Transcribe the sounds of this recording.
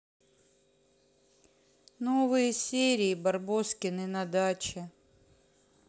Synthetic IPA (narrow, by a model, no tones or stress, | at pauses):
novɨjəsʲeɾʲɪːbɐrboskʲɪnɨnɐd̪at͡ɕɪ